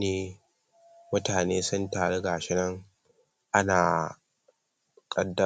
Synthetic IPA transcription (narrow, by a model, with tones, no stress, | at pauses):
neː˦ | mʊ˦taː˨neː˦sʊ˦ntaː˨ɽe˦ɡaː˨ʃɪ˦nɐ˦ŋ | ʔa˦naː˨ | kʼɐ˦dːɐ˦